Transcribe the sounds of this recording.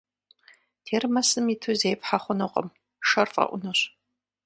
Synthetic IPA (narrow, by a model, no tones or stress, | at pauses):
tʰeːrmɐsɨmitʰuzeːpħaχʷʊnɨqʼə̰m | ʂɐrfʼɐ̰ʔʷʊnɨɕ